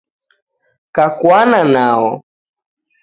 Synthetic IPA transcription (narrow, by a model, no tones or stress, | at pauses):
kakwananaɔ